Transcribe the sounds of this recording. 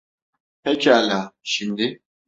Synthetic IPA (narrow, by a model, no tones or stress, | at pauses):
pʰɛcʰalʲaʃimd̪i